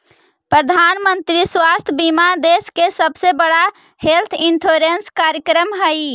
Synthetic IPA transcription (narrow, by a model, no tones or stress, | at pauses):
pɾəd̪ʱanmənt̪ɾiswast̪ʰəbimad̪eskesəbsebəɽa | helt̪ʰint̪ʰoɾenskaɾjəkɾəmɦəj